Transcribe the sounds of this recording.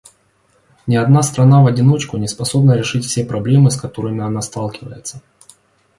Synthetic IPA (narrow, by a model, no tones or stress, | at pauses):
nʲɪɐd̪nast̪ɾɐnavɐdʲɪno̞t͡ɕkʊnʲɪspɐso̞bnəɾʲɪʂɨtʲfsʲepɾɐblʲemɨskɐt̪o̞ɾɨmʲɪɐnast̪alˠkʲɪvə̰jɪt̪sə